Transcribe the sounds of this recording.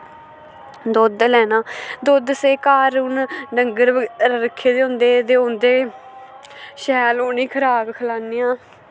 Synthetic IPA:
d̪oːd̪lɛːnãːd̪oːd̪seːkaːɾunɖəŋɡəɾɾəɾəkʰːeːd̪eːʊ̃nd̪eːd̪eːʊ̃nd̪eː | ʃɛːloːniːkʰəɾaːkkʰəlaːnɪjãː

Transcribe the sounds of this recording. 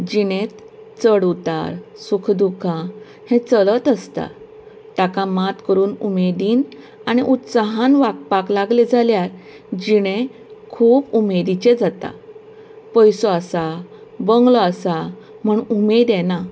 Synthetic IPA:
d͡ʑiɽ̃et̪ | t͡səɽut̪a̰ɾsukʰd̪ukʰã | hẽt͡sələt̪əst̪a̰ | t̪akamat̪kəɾuːnumed̪iːn | añiʔut̪saɦanʋak̚paklaɡled͡zʱaljaɾ | d͡ʑiɽ̃ẽ | kʰuːpumed̪it͡ɕed͡zat̪a̰ | pəjsoasabəŋɡloasa | m̤əɳumed̪ena

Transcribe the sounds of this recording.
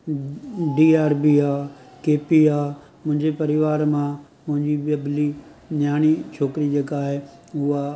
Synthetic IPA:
ɖiːaːɾbiaː | keːpiːaː | mʊ̃ɦɪ̃ɲd͡ʑepɐɾɪʋaːɾmã | mʊ̃ɦɪ̃ɲd͡ʑiʋəbli | ɲjaːñit͡ʃʰoːkɾid͡ʑeːkaːɦeʊa

